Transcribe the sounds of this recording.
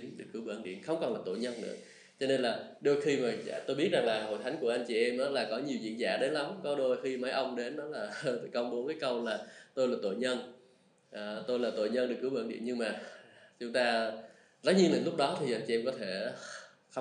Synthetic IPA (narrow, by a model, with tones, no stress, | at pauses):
i˨˦nɗɨ˨˩ək̚ːɨ˧˩wɓə̰˧˩nɗḭ˧˨ənxə˧wŋ͡mkɔ˨˩nlaː˨˩t̪o̰˧˨ɲə˧nːɨ̰˧˥ə | t͡ɕɔ˧ne˧nlaː˨˩ɗo˧jxi˧maː˨˩˨t̪o˧jɓi˦˥ət̚za˨˩ŋlaː˨˩ɦo̰˧˨jt̪ʰa˨˦ŋ̟ku˧˩əʔa˧jŋt͡ɕi˨ʔɛ˧mʔaː˨˦laː˨˩kɔ˨˦ɲi˨˩əwzḭ˧˨ənza̰ː˧˩ɗe˨˦la˨˦mkɔ˨˦ɗo˧jxi˧ma˨˦jʔə˧wŋ͡mɗe˨˦nɗɔ˨˦laː˨˩˨kə˧wŋ͡mɓo˨˦kaː˨˦jkə˧wlaː˨˩t̪o˧jlaː˨˩t̪o̰˧˨ɲə˧n | ʔːt̪o˧jlaː˨˩t̪o̰˧˨jɲə˧nɗɨ˨˩k̚ːɨ˧˩wɓə̰ː˧˩nɗḭ˧˨ənɲɨ˧ŋmaː˨˩t͡ɕʊ˨˦ŋ͡mt̪aː˧ | za˨˦˥t̚ɲi˧ənɨ̰˧˩˦lʊ˦˥k͡p̚ɗɔ˨˦t̪ʰi˨˩ʔa˧jt͡ɕi˨ʔɛ˧mŋ͡mkɔ˨˦t̪ʰe˧˩ | x